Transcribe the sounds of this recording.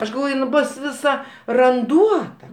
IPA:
ˈɐʃ ɡɐlˠˈʋoːj ɪn ˈboːs ʋʲɪˈsɐ rɐnˈduɔtɐ

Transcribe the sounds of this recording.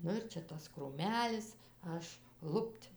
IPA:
ˈnʊ ɪr ˈt͡ʃʲɛ ˈtɐs kruːˈmʲæːlʲɪs ˈɐʃ ˈlˠʊpʲtʲ

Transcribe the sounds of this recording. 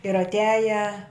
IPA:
ɪr ɐtʲˈæːjɛ

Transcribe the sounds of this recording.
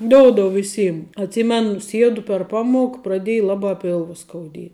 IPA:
ˈdoːʊdoːʊ ʋʲɪˈsʲiːm ɐtʲˈsʲiːmʲɛnʊ ˈsʲiɛdʊ pʲɛr ˈpɑːmuɔk prɐˈdʲeːj ˈlˠɑːbɑː ˈpʲɪlˠʋɐ skɐʊˈdʲiɛ

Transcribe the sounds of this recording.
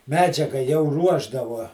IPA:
ˈmʲæːd͡ʒʲɛɡɐ jɛʊ ˈruɔʒdɐʋuɔ

